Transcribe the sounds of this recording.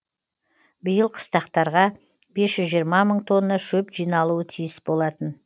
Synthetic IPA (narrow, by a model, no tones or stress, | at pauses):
bəjəlˠqʰə̥st̪ɑqt̪ɑɾʁɑ | be̞sʒ̥ʏzʒijəɾmɑməɴt̪ʰo̞nːɑʃɵpʒijnɑlˠuət̪ʰijɪsbo̞lˠɑt̪ən